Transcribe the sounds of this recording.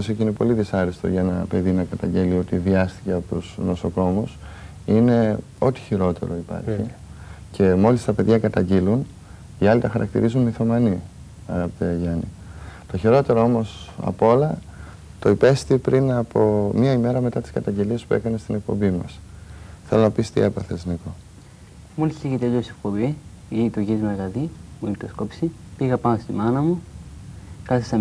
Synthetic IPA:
sioceine̞po̞liðisɐɾist̪oʝɐenɐpe̞ðinɐkɐt̪ɐɲɟe̞lio̞t̪iviɐst̪i̥ceɐpot̪usno̞so̞ko̞mus | ine̞ | o̞t̪i̥çiɾo̞t̪e̞̰ɾo̞ipɐ̰ɾçi | cʰe̞mo̞list̪ɐpe̞ðʝɐkɐt̪ɐɲɟilun | iɐlit̪ɐxɐɾʔɐ̰kt̪ḭɾizunmiθo̞mɐni | ɐɣɐpit̪eɐʝɐnḭ | t̪o̞çiɾo̞t̪e̞ɾo̞o̞mo̞sɐ̰polɐ | t̪o̞ipe̞st̪ipɾʔinɐpo̞mɐime̞ɾɐme̞t̪ɐt̪i̥skɐt̪ɐɲɟeliespue̞̰kɐnest̪ine̞k̚po̞̰mbimɐ̰s | θe̞lo̞nɐpist̪ḭe̞pɐθezniko̞ | mulsiɣit̪eʎosek̚pobi | ʝinit̪uʝizmueɣɐðimuint̪oskopsi | piɣɐpɐnost̪imɐnɐmu | kɐθisɐ

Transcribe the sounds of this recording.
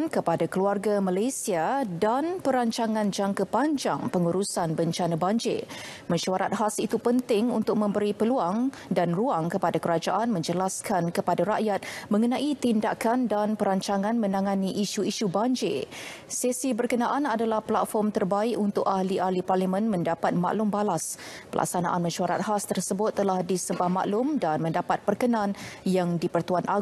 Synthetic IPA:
nkəpadakəluarɡamalajsiadanpəɾaɲt͡ʃaŋãnd͡ʒaŋkəpaɲd͡ʒa̰ŋpəŋuɾusanbəɲt͡ʃanabaɲd͡ʒḛ | mə̃ɲʃuaɾa̰t̪̚ɦasit̪upənt̪ɪŋunt̪ʊk̚mə̃mbəɾipəluaŋ | danruaŋkəpadakəɾad͡ʒaʔanmə̃ɲd͡ʒəlaskankəpadaɾaʔjat̪̚mə̃ŋənãʔit̪indakandanpəɾaɲt͡ʃaŋãnmə̃naŋaniʔiʃuiʃubaɲd͡ʒḛsesibərkənaʔanadalahpəla̰t̪̚fɔrmt̪ərbaɪkunt̪ʊkahliʔahliparlimə̃nmə̃ndapat̪̚ma̰ʔlʊmbalaspəlʔa̰ksana̰ʔanmə̃ʃuaɾa̰t̪̚hast̪ərsəbʊt̪ːəlahdisəbahma̰ʔlʊmdanmə̃ndapat̪̚pərkənãnjaŋdipərt̪uanʔaɡ

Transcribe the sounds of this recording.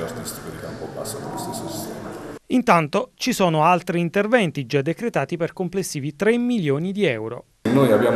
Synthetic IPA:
art̪ist̪i̥kod̪ikaumpɔbːasːakolsesist̪ɛːmaint̪ant̪ot͡ʃisɔːnoalt̪ɾiːnt̪ervɛnt̪id͡ʒad̪ːekɾet̪aːt̪iperkomplesːiːvit̪ɾemːiljoːnid̪iɛwɾo̰ | nːojabːjaːm

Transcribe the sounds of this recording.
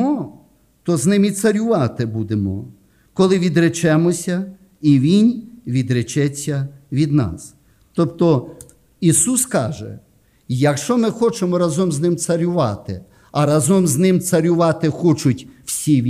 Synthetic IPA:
ɔ | t̪ɔznɪmit̪sɐɾʲʊʋɑt̪ɪbud̪emɔ̰ | kɔlˠɪʋʲid̪ɾet͡ʃɛmɔsʲɐ | iʋʲinʲʋʲid̪ɾet͡ʃɛt͡sʲːɐʋʲid̪nɑ̰s | t̪ɔpt̪ɔ | isuskɑ̰ʒɛ̰ | jɐkʃt͡ʃɔmɪxɔt͡ʃemɔɾɐzɔmznɪmt̪sɐɾʲʊʋɑt̪ɪ̰ | ɐɾɐzɔmznɪmt̪sɐɾʲʊʋɑt̪ɪxɔt͡ʃʊtʲw̥sʲiʋʲ

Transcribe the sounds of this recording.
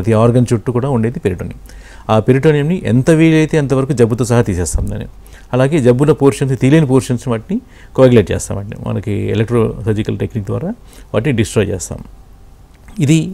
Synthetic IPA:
ɐt̪iaːɾɡɐnt͡ʃuʈːukuːɽaːuɳɖeːd̪ipeɾiʈoːnijɐ̰m | aːpeɾiʈoːnijɐmniʔɛ̰nt̪ɐʋiːlɐjt̪eːɐnt̪ɐʋɐɾɐkud͡ʒɐbːut̪oːsɐɦat̪iːsɛːst̪a̰ːmd̪a̰ːnːḛːnu | ɐlaːɡe̞ːd͡ʒɐbːulɐpoːɾʂɐns̬t̪iːleːnipoːɾʂɐnsniʋaːʈini | koːɡleʈ̚t͡ʃɛ̰ːst̪a̰ːmɐɳʈḛmɐ̰nɐkiɛ̰lek̚ʈɾoːt̪ɐd͡ʒikɐlʈeknik̚d̪ʋa̰ːɾaː | ʋa̰ːʈiniɖisʈɾɔːjt͡ʃɛ̰ːst̪a̰ːm | id̪i

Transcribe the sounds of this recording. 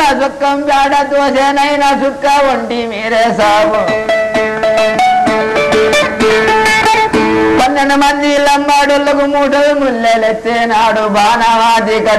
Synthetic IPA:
ɐsɐkːɐmpjaːɖɐt̪oːseːnɐjnɐsukːaʋoɳʈimiːɾeːsaːbu | bɐnːɐnɐmɐnd͡ʒ̪ilɐmbaːɖolːɐkumuːʈɐlmulːelet͡ʃːenaːɽubʱaːnaʋaːt̪ikɐ

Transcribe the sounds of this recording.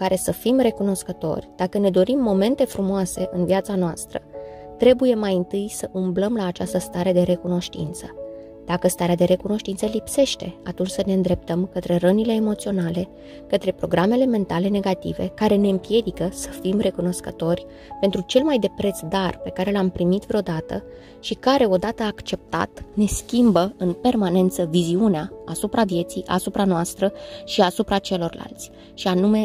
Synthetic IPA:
ukaɾe̞səfimre̞kuno̞skət̪o̞̰rʲd̪̥akəne̞d̪o̞ɾimːo̞me̞nt̪e̞fɾumoase̞ʔɨnviat̪sanoast̪ɾə̰t̪ɾe̞buje̞majɨnt̪ɨjsəʔumbləmlaːt͡ʃast̪əst̪aɾe̞d̪e̞ɾe̞kuno̞ʃt̪ḭnt̪sə̥ | d̪̥akəst̪aɾead̪e̞ɾe̞kuno̞ʃt̪int̪səlipse̞ʃt̪e̞at̪unt͡ʃʲsəneɨnd̪ɾe̞p̚t̪əmkət̪ɾe̞rənile̞ːmo̞t̪sio̞nale̞ | kət̪ɾe̞pɾo̞ɡɾame̞le̞me̞nt̪ale̞ne̞ɡat̪ḭve̞̰kaɾe̞ne̞ɨmpje̞d̪ikəsə̥fimre̞kuno̞skət̪o̞rʲ | pe̞nt̪ɾut͡ʃe̞lmajd̪e̞pɾe̞t̪sd̪arpe̞kaɾe̞lampɾimit̪vɾeo̞d̪at̪ə̰ | ʃikaɾe̞o̞d̪at̪əaːkt͡ʃe̞p̚t̪a̰t̪ne̞skʲimbəɨnpe̞rmane̞nt̪səviziuneaasupɾavje̞t̪sijʔa̰supɾanoast̪ɾəʃiasupɾat͡ʃe̞lo̞rla̰lt̪sʲ | ʃianume̞

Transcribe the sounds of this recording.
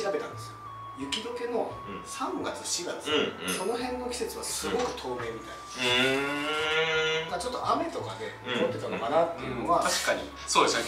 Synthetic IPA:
iɾabe̞t̪ã̰nd̪e̞sɨo | jɯ̟kʲid̪o̞ke̞no̞ | sãŋɡat͡sɨ̥ɕiɡat͡sɨ̥so̞no̞ɦẽ̞nːo̞kʲi̥se̞t͡sɨβ̞asɨɡo̞kɯ̟̥t̪ʰo̞ːme̞ːmʲit̪ain | d̪aat͡ɕo̞t̪ːoʔame̞t̪o̞kad̪e̞ | mot̪ːe̞t̪anokanat̪ːe̞jɯ̟no̞βat̪aɕi̥kaɲ̟ḭ | soːd̪esne

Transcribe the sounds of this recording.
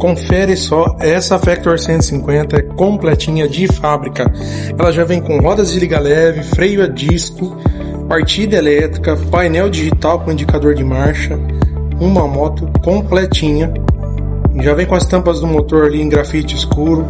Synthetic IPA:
kõfɛɾɪsɔɛsɐfɛk̚t̪oɾsẽnt̪ʊ̥sĩkwẽnt̪ɐɛkõmplɛt͡ʃĩɲɐd͡ʒɪfabɾikɐ | ɛlɐʒavẽj̃kõɦɔd̪ɐzd͡ʒɪliɡɐlɛvɪfɾejʊɐd͡ʒiskʊ | paɾt͡ʃid̪elɛt̪ɾikɐpajnɛwd͡ʒiʒit̪awkõĩd͡ʒikad̪oɾd͡ʒɪmaɾʃɐũmɐmɔt̪ʊkõplɛt͡ʃĩɲɐ | ʒavẽj̃kõɐst̪ɐ̃mpɐzd̪ʊmot̪oɾaliẽɡɾafit͡ʃɪiskuɾʊ

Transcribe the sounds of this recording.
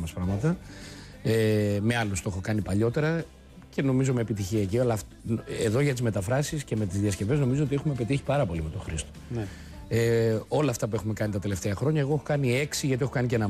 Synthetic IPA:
mɐspɾɐɣmɐt̪ɐ | eme̞ɐlost̪oe̞xo̞kɐnipɐʎo̞t̪e̞ɾɐ | ce̞no̞mizo̞me̞ːpit̪içiɐeciɐlɐf | eðo̞ʝɐt̪̬izme̞t̪ɐfɾɐsisce̞me̞t̪izðiɐsce̞ve̞zno̞mizoot̪iexume̞pe̞t̪içi̥pɐɾɐpo̞lime̞t̪o̞xɾist̪o̥ | eo̞lɐːft̪ɐp̬ue̞xume̞kɐnit̪ɐt̪e̞left̪eɐxɾo̞ɲɐe̞ɣo̞exokɐnie̞ksiʝɐt̪iexo̞kɐnicenɐ

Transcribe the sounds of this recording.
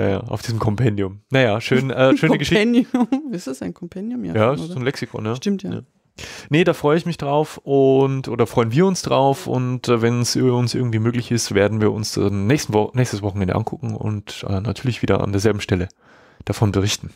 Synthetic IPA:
ja̰ːja̰ːʔa̰ʊfd̥iːzm̩kʰɔmpʰɛndjʊmnajaːʃøːnʔɛːʃøːnnəɡəʃɪndɪsɐsaɪnkʰɔmpʰɛndjʊmja̰jaːsszonlɛksɪkʰɔ̰njaʃtɪmtjaja̰ː | nədaːfʁ̥ɔʏəɪçmɪçd̥ʁaʊfʔʊntʔoːdɐfʁ̥ɔʏənviːɐʊnsd̥ʁaʊfʊ̰ntːvɛnsʔybɐʊnsʔɪɐɡŋ̩tv̥iːmøːklɪçɪstveːɐdn̩viːɐʊnsd̥annɛːçstn̩vɔnɛːçstəsvɔχn̩ɛndəʔa̰nkʰʊkŋ̩ʊ̰ntʔɛ̰ːnatʰyːɐlɪçv̥iːdɐ̰ʔa̰ndeːɐzɛlbm̩ʃtɛlə | d̥afɔnbəʁ̞ɪçtn̩

